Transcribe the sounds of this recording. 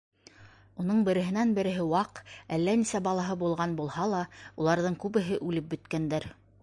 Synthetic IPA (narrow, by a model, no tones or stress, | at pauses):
unɤɴbɘ̆ɾɘ̆ɦɘ̆nænbɘ̆ɾɘ̆ɦɘwɑqælːænisæbɑlˠɑɦɤbulˠʁɑnbulˠhɑlˠɑulˠɑɾðɤɴkʉβɘ̆ɦɘʔʉlɘp̚bɵ̆t̪kænd̪æɾ